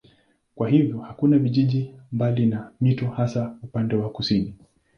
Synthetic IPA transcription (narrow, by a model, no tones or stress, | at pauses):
kwaɦivjɔhakunaviʄiʄimbalinamitɔhasaupandɛwakusini